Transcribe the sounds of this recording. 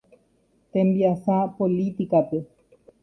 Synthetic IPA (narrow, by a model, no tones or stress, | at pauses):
t̪embiasapolit̪ikape